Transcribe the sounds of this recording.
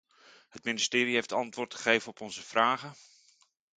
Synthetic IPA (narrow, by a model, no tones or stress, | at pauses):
ɦhətmɪnɪstɪːɾiɦeftɑntʋʊːɹtχə̥χejvənɔpɔnzəv̥raːχə